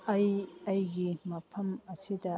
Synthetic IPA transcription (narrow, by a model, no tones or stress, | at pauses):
ɐjɐjɡimɐpʰɐmɐsid̪ɐ